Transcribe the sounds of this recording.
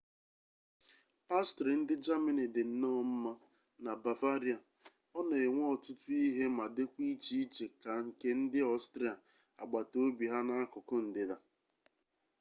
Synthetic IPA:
pa˦stɾi˨n̩˦dɪ˦d͡ʒa˦mɪ˨nɪ˨dɪ˨n̩˦nɔ˦m̩˦ma˦ | na˨ba˨va˦ɾi˦a˨ | ɔ˦ne˨e˨ŋʷɔ˦ɔ˨tʊ˦tʊ˦i˦ɦe˦ma˨dɪ˦kʷi˦t͡ʃi˦t͡ʃe˨ka˨ŋ̩˨ke˦n̩˦dɪ˦ɔ˦stɾi˦a˨ | a̰˨ɡ͡ba˨to˦bi˨ɦa˦na˦a˦kʊ˨kʊ˦n̩˨dɪ˨ða˦

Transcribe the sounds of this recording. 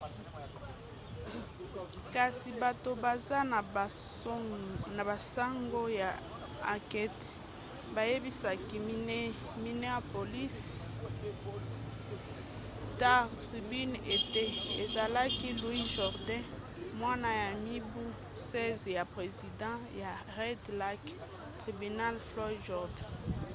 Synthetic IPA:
ka˨si˨ba˨to˨ba˨za˦˨ | na˨ba˨sa˦ŋɡo˦ja˨ | a˨kɛ˦t | ba˨je˦bi˦sa˨ki˦ | mi˦nɛ˦a˨po˨li˦s | ta˦ʁtʁi˨by˦ne˨te˦e˨za˨la˦ki˦lwi˦ʒɔ˨ʁdɛ̃˦ | mwa˦na˦ja˨mi˦bu˦ | sɛ˦zja˨pʁe˨zi˨dɑ̃˦ja˨ʁɛ˦dla˦k | tʁi˨by˨na˦lflɔ˦ʒɔ˨ʁdɛ˨

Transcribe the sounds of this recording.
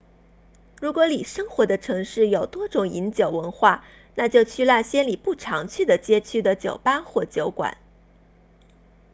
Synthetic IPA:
ɻu˧˥kwɔ˧˥li˨˩ʂɤ˥ŋxwɔ˧˥d̪ə˧ʈ͡ʂʰɤ˧˥ŋʂɻ̩˥˩jo˨˩ʊt̪wɔ˥ʈ͡ʂʊ˨˩ŋi˧˥nt͡ɕjo˨˩ʊwə˧˥nxwa˥˩ | na˥˧t͡ɕjo˥˧ʊt͡ɕʰy˥˧la˥˩ɕjɛ˥nli˨˩pu˥˩ʈ͡ʂʰɑ˧˥ŋt͡ɕʰy˥˩d̪ə˩t͡ɕjɛ˥t͡ɕʰy˥˩d̪ə˨t͡ɕjo˨˩ʊpa˥xwɔ˥˩t͡ɕjo˧˥ʊkwa̰˨˩˦n

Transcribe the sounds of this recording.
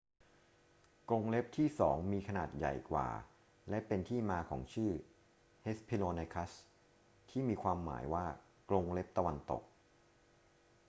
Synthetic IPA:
klo˧ŋle˦˥p̚t̪ʰiː˥˩sɔː˩˦ŋmiː˧kʰa˧naː˨˩t̪̚ja̰˨˩jkwa̰ː˨˩ | lɛ˦˥pe˧nt̪ʰiː˥˩maː˧kʰɔ̰ː˩˦ŋt͡ɕʰɯː˥˩ | he˦˥spʰi˧loː˧na˧jkʰa˦˥s | t̪ʰiː˥˩miː˧kʰwaː˧mːa̰ː˩˦jwaː˥˩ | klo˧ŋle˦˥p̚t̪a˧wa˧nt̪o̰˨˩k̚

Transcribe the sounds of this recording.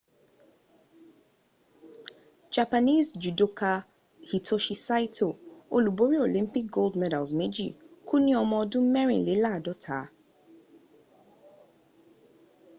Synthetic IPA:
d͡ʒa˨pa˨ni˦sd͡ʒu˨do˦kʰa˧ | hi˨tʰo˦ʃi˦sa˦i˦tʰo˨o˨lu˨bo˨˦ɾi˦o˨lĩ˦mpi˦k̚ɡo˦ldmɛ˦da˨lzmẽ˦d͡ʒḭ˦˨kʰũ˦nĩ˦ɔ˧mɔ̃˧˦dʊ̃˦mɛ˦ɾḭ̃˨le˨˦la˦˨dɔ˦tʰa̰˨˦

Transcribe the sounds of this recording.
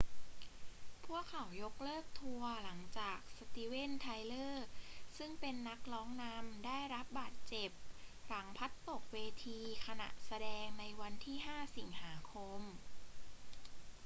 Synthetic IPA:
pʰu˥˩əkʰːa˨˩˦wjo˦˥k̚lɤː˥˩k̚t̪ʰu˧ɐla˩˦ŋt͡ɕaː˨˩k̚sa˧t̪iː˦we˥˩nt̪ʰa˧jlɤː˥˩sɯ˥˩ŋpe˧nːa˦˥k̚lɔː˦˥ŋna˧˥mdaː˥˩jɾa˦˥p̚baː˨˩t̪̚t͡ɕe˨˩p̚ɾa˩˦ŋpʰa˦˥t̪ːo˨˩k̚weː˧t̪ʰiː˧kʰa˧na̰˨˩ʔsa˧dɛː˧ŋna˧jwa˧nt̪ʰiː˥˩ɦaː˥˩si˩˦ŋhaː˩˦kʰo˧m

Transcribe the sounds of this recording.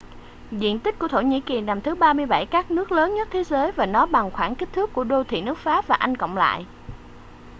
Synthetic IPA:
zḭ˧˨ənt̪ï˦˥k̟̚ku˧˩ət̪o˧˩ɲḭ˧˥ki˨˩na˨˩mt̪ʰɨ˨˦ɓaː˧mɨ˧əjɓa˧˩jkaː˦˥k̚nɨ˦˥ək̚ləː˨˦nɲə˦˥t̚t̪ʰe˨˦zəː˨˦jvaː˨˩nɔ˨˦ɓa˨˩ŋxwaː˧˩nki˦˥k̚t̪ʰɨ˦˥kːu˧˩əɗo˧t̪ʰḭ˧˨nɨ˦˥ək̚faː˦˥p̚vaː˨˩ʔa˧jŋ̟kə̰˧˨wŋ͡mla̰ː˧˨jʔ

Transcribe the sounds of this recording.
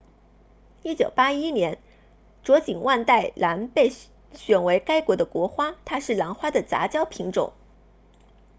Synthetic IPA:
i˥t͡ɕjo˨˩ʊpa˥i˥njɛ˧˥n | ʈ͡ʂwɔ˧˥t͡ɕi˨˩ŋwʔa˥˧nt̪a˥˩ɪla˧˥npe˥˩ɪ | ɕɥɛ˨˩nwe˧˥ɪka˥ɪkwɔ˧˥d̪ə˧kwɔ˧˥xwa˥t̪ʰa˥ʂɻ̩˥˩la˧˥ŋxwa˥d̪ə˨t͡sa̰˧˥t͡ɕjɑ˥ʊpʰi˧˥ŋʈ͡ʂʊ̰˨˩˦ŋ

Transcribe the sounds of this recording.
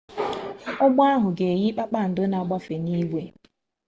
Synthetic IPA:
ʊ˦ɡ͡ba˦ɦʊ˨ɡe˨ɣi˦k͡pa˦k͡pa˦˨n̩˨dʊ˦na˨ɡ͡ba˦fe˨ni˦ɡʷe˦

